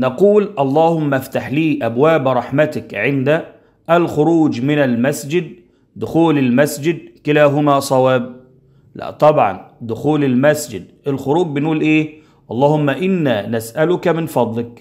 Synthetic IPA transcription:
nɑquːlʔɑlˤːɑːhʊmːaʔaft̪aħliːʔabwaːbɾˤɑħmat̪ɪkʕɪnd̪a | ʔːlxʊɾuːd͡ʒmɪnalmasd͡ʒɪd̪̚ | d̪ʊxuːlɪlmasd͡ʒɪd̪̚kɪlaːɦʊmaːsˤɑwaːb̚ | læ̰t̪ˤɑbʕɑ̰nd̪ʊxuːlɪlmasd͡ʒɪd̪ʔɪlxʊɾuːɡ̚bɪnʔuːlʔeː | ʔɑlˤːɑːhʊmːaʔɪnːaːnasʔalʊkamɪnfɑd̪ˤlɪk̚

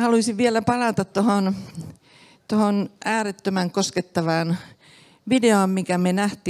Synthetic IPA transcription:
hɑluisiʋʋiælæpɑlɑt̪ɑt̪t̪ohon | t̪ohonʔæːret̪ːømæŋkosket̪ːɑʋɑːn | ʋideoːmmikæmenæht̪i

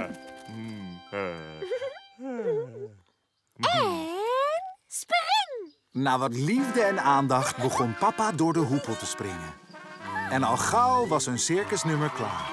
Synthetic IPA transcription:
spŋ | naːʋɑtlivdəɛnaːndɑχtbəχɔnpɑpadʊːɹdəɦupəlˠtəsprɪ̰ŋən | ɛnɑlˠχawʋɑsənsɪɹkəsnɵməɹkla̰ːɹ

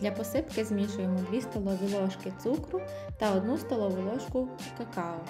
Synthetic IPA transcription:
d̪lʲɐpɔsɪpkɪzmʲiʃʊjemɔd̪ʋʲist̪ɔlˠɔʋʲilˠɔʃkɪt̪sukɾʊ | t̪ɐɔd̪nust̪ɔlˠɔʋʊlˠɔʃkʊ | kɐkɑɔ

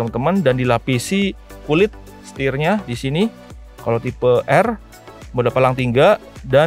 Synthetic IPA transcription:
əmənt̪əməndandilapisi | kulɪt̪̚ | sə̥t̪irɲadisini | kalat̪ipəʔɛr | modapalaŋt̪iŋɡada

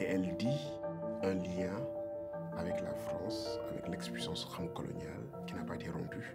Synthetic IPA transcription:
eɛldi | ɛ̃ljɛ̃ | avɛkla̰fɾɑ̰̃sa̰vɛ̰klɛkspɥisɑ̃sxɑ̃ŋkɔlɔ̰nja̰l | kinapaet̪eɾɔ̰̃py

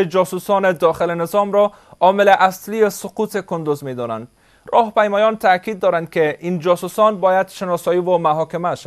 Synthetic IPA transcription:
ed͡ʒɔsusɔned̪ɒxɪlenɪzɔmɾɔ | ɒmɪleʔasliesʊqut̪ekʊnd̪ʊzmed̪ɔna̰nd̪ | ɾʔɒhpajmɔjɔnt̪ʰakid̪̚ːɔɾand̪̚keʔind͡ʒɔsusɔnbɔjad̪ʃɪnɔsɔjiwomaɦɔkɪmaʃa

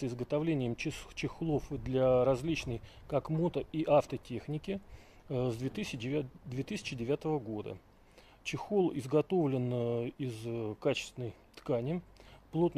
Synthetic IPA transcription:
ɪzɡət̪ɐvlʲenʲɪjəmt͡ɕɪxlˠo̞fd̪lʲaɾɐzʲlʲit͡ɕnəjkakmo̞t̪əiʔaft̪ətʲe̞xnʲɪkʲɪ | zd̪vʲt̪ɨd̪vʲe̞t̪ɨsʲɪ̥t͡ɕɪdʲɪvʲat̪əvəɡo̞d̪ə̰ | t͡ɕɪxolˠɪzɡɐt̪o̞vlʲɪnɪzkat͡ɕɪ̥st̪ʲɪnəj | t̪kanʲɪplˠo̞t̪nə

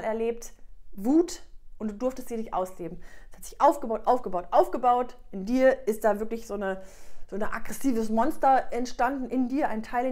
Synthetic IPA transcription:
lɛɐleːp̚tvuːtʔʊnt̚d̥uːdʊɐftəstz̥iːɐnɪçtʔa̰ʊsleːbm̩ɛshatz̥ɪçʔaʊfɡ̥əbaʊtʔaʊfɡ̥əbaʊtʔaʊfɡ̥əbaʊtʔɪndiːɐʔɪst̚d̥aːvɪɐklɪçz̥oːnəz̥oːnʔa̰ɡ̥ʁɛsiːvəsmɔnstɐʔɛntʃtandn̩ʔɪndiːɐʔaɪntʰaɪl

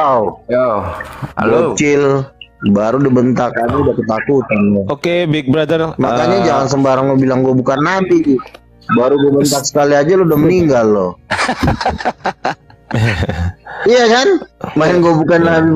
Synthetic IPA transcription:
ɡot͡ʃɪlbaɾudibənt̪akaɲaudahkət̪akut̪anlɔokebɪk̚bɾadərmakaɲad͡ʒaŋans̬əmbaɾaŋɡobilaŋɡuabukanːabi | baɾuɡuabənt̪ak̚sə̥kaliad͡ʒalɔudahməniŋɡalːɔ | ijakanmaɪnɡuabukanːabi

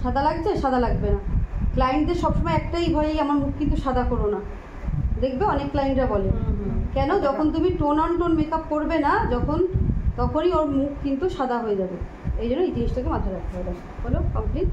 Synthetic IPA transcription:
ʃad̪ʱalaɡ̚t͡ɕʰeʃad̪ʱalaɡbenaklajnʈ̚d̪eɾʃɔbʃɔmɔeɛk̚ʈajbʱɔeejɛmonmukkint̪uʃad̪ʱakoɾona | d̪ekʰbeɔnekːlajnʈɾabɔlekɛnod͡ʑɔkʰont̪̬umiʈonɔɳʈonmekap̚koɾbenad͡ʑɔkʰont̪ɔkʰonioɾmukʰkint̪uʃad̪ʱaɦoed͡ʑabe | ejd͡ʑonːoit̪iesʈʰekemat̪ʰaɾak̚ʰt̪ʰaɦɔed̪a | fɔlekɔmpliʈ

